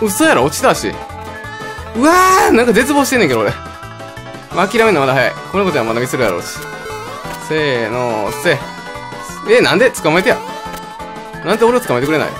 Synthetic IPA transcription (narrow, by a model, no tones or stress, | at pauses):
ɯ̟sojaɾaot͡ɕi̥d̪aɕḭ | ɯ̟anãŋkad͡ze̞t͡sɨboːɕit̪enːẽŋkeooɾe | makʲiɾame̞namad̪aɦaja̰ikonokot̪oiamad̪amʲiseɾɯja̰ɾo̞̰ːɕi̥ | senose | enãnd̪e̞t͡sɨ̥kamaet̪eja̰ | nãnd̪eo̞ɾe̞ot͡sɨ̥kamaet̪ekɯɾe̞na̰ḭ